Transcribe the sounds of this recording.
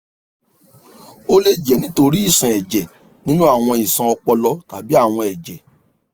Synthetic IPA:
o˦le˦d͡ʒɛ˨nĩ˨˦to˧ɾi˦i˦˨sã˨ɛ˨d͡ʒɛ˨ | nĩ˦nũ˦a˦˨w̃ɔ̃˧i˨sã˧ɔ˧k͡pɔ˧lɔ˧˦ta˨bi˦a˦˨w̃ɔ̃˧ɛ˨d͡ʒɛ˨

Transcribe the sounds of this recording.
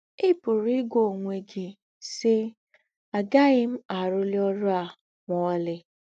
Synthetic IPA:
ɪ˦pʊ˨ɾi˦ɡʷo˨ŋʷe˨ɡɪ˨ | sɪ˦ | a˨ɡa˦ɣɪ˦m̩˦a˨ɾʊ˦lɪ˦ɔ˦ɾʊ˦a˨ | mɔ˨˦lɪ˦

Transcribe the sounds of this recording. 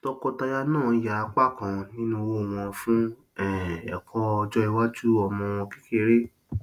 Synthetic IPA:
tɔ˧kɔ˧ta˧ja˧nãː˦˨ja˨a˧k͡pa˦kã˧nĩ˦nũ˦wo˦˨w̃ɔ̃˧fũ˦ | ɛ˨ɛ̰˨kʰɔ˧˦˧d͡ʒɔ˧i˧wa˦d͡ʒu˦ɔ˨mɔ̃˧w̃ɔ̃˧ki̥˦ke˧˨ɾe˦

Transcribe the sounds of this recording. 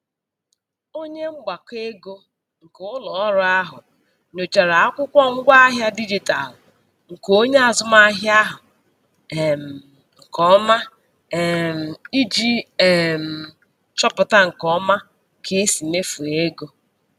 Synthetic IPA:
o˦ɲe˦ŋ͡m̩˦ɡ͡ba˨ke˦ɡo˦ | ŋ̩˨ko˦ʊ˦lɔ˨ɔ˦ɾʊ˦a˦ɦʊ̰˨ | ɲo˨t͡ʃa˨ɾa˨a˦kʷʊ˦kʷɔ˦ŋ̩˦ɡʷa˦a˦ɦja˦di˦d͡ʒi˨ta˨l | ŋ̩˨ko˦ɲe˦a˨zʊ˦ma˦ɦja˦ɦʊ˨ | ŋ̩˨kɔ˦ma˦˨ | m̩˨i˦d͡ʒi˦e˨m̩˨ | t͡ʃɔ˦pʊ˨ta˦ŋ̩˨kɔ˦ma˦ | kʰe˨˦si˨me˦fu˨e˦ɡo˦

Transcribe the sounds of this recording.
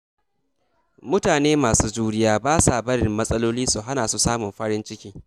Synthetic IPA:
mʊ˦taː˨neː˦maː˨suː˦d͡ʒuː˦ɽɪ˦jaː˦baː˦sa˨bɐ˦ɽɪ˨mːɐ˦sʼɐ˦loː˦liː˦su˨ɦa˦naː˨su˦saː˦mʊ˨mɸɐ˦ɽɪ˦nt͡ʃɪ˦kʲiː˦

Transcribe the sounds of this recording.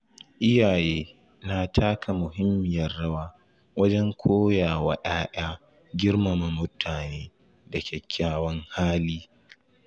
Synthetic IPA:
ʔɪ˦jaː˨jeː˦ | na˦tʰaː˦kʰa˨mʊ˨ɦɪ˦mːɪ˨jɐ˨rːɐ˦waː˦ | wɐ˦d͡ʒɛ˦ŋkʷʰoː˦jaː˨wa˦ɗaː˦ʔaː˦ | ɡʲɪ˦rmɐ˨mɐ˨mʊ˦tʰaː˨neː˦ | dɐ˨kʲʰɛ˨kʲʰːaː˦wɐ˦ŋhaː˦liː˦

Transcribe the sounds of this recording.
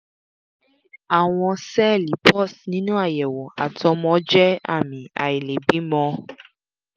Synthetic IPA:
a˨w̃ɔ̃˧sɛ˦li˨˦pɔ˦˨snĩ˦nũ˦a˦˨jɛ˨wɔ˨a˨tɔ˧mɔ̃˧˦d͡ʒɛ˦a̰˦˨mĩ˨a̰˨i˨le˨bi˨˦mɔ̃˧˦

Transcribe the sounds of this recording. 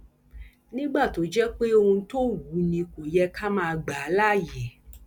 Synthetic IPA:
nĩ˦ɡ͡ba˦˨to˨˦d͡ʒɛ˦k͡pe˦o˧hũ˧to˦wu˨˦nĩ˧ko˨jɛ˦ka˦mãː˦˧ɡ͡ba˨˦la˦˨jɛ˨˦

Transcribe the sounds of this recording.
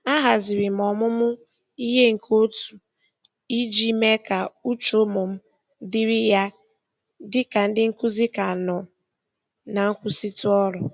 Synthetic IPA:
a˦ɦa˨zɪ˨ɾɪ˨m̩˨ɔ˨mʊ˦mʊ˦ | i˦ɦe˦ŋ̩˨kʰo˦tu̥˨ | i˦d͡ʒi˦me˦ka˨u˦t͡ʃo˦mʊ˨m̩˦ | dɪ˦ɾɪ˦ja˦ | dɪ˦ka˨n̩˦dɪ˦ŋ̩˦kʊ˦zi˦ka˨nɔ˨ | na˨ŋ̩˦kʷu˦si˦tu˦ɔ˦ɾɔ˨

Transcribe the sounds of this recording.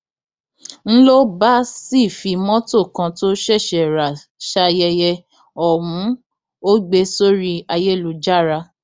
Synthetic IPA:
n̩˦lo˦ba˦si˦˨fi˧mɔ̃˦to˦˨kã˧to˦ʃɛ˦˨ʃɛ˨ɾa˨ | ʃa˧jɛ˧jɛ˧ | ɔ˨w̃ũ˨˦ | o˦ɡ͡be˧so˦ɾi˦a˧je˦˨lu˧d͡ʒa˦˨ɾa˧

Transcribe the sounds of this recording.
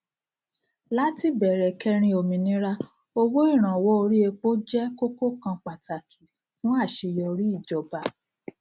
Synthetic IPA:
la˦ti˦bɛ˨ɾɛ˨kɛ˧ɾ̃ĩ˧o˨mĩ˨nĩ˦ɾa˦ | o˧wo˦i˦˨ɾ̃ã˨wɔ˦o˧ɾi˦e˧k͡po˦d͡ʒɛ˦ko˦ko˦kã˧k͡pa˨ta˨kʰi˨ | fũ˦a˦˨ʃe˧jɔ˧ɾi˦i˦˨d͡ʒɔ˨ba˨

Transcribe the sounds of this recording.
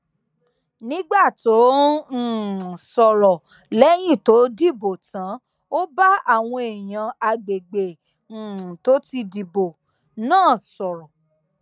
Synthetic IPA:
nĩ˦ɡ͡ba˦˨to˨˦˨ | sɔ˨ɾɔ˨ | lɛ˦j̃ĩ˦˨to˨˦di˦˨bo˨tã˨˦ | o˦ba˦a˦˨w̃ɔ̃˧e˨j̃ã˨a˧ɡ͡be˨ɡ͡bẽ˨ | to˨˦ti˧di˨bo˨ | nãː˦˨sɔ˨ɾɔ˨

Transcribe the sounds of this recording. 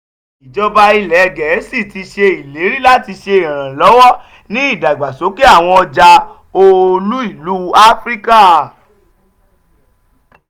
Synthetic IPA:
i˨d͡ʒɔ˧ba˧i˧lɛ˨˧ɡɛ˨˦si˦˨ti˧ʃe˧i˨le˨˦ɾi˦la˦ti˧ʃe˧i˨ɾ̃ã˨lɔ˨˦wɔ˦ | nĩ˦i˦˨da˨ɡ͡ba˨so˨˦ke˦a˦˨w̃ɔ̃˧ɔ˧d͡ʒa˧ | o˧lu˦i˦˨lu˨˦a˦fɾi˦ka˦

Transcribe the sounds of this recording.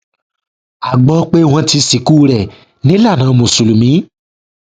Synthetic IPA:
a˨ɡ͡bɔ˧˦k͡pe˦w̃ɔ̃˧ti˧si˨ku˦ɾɛ˨ | nĩ˦la˦˨nã˨˦˧mõ˨su˨lu˨mĩ˨˦

